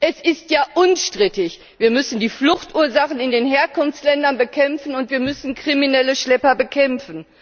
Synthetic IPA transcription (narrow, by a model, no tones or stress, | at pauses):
ʔɛsɪstjaːʔʊnʃtʁ̥ɪtɪç | v̥iːɐmʏsn̩diːflʊxtʔuːɐzaχnɪndeːnɦeːɐkʊnft͡slɛndɐnbəkʰɛmfn̩ʊntv̥iːɐmʏsn̩kʁ̥iminɛləʃlɛpɐbəkʰɛmfn̩